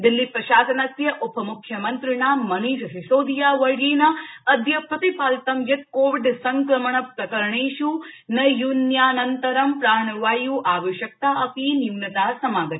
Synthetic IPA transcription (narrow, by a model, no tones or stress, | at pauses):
d̪ilːipɾɐʃaːsɐnɐsjɐʔupɐmukʰjɐmɐnt̪ɾɪɳaːmɐniːʃɐɦisoːd̪ijaːʋɐɾɡiːnɐɐd̪ʱjɐpʰɐt̪ipaːlt̪ɐmjɐt̪̚koːʋiɖsɐŋkɾɐmɐɳɐpɾɐkɐɾɐɳeːʃunɐjunjaːnɐnt̪ɐɾɐmpɾaːnɐʋaːjuːʔaːʋɐʃjɐk̚t̪aːʔɐpinimnɐt̪aːsɐmaːɡɐt̪i̥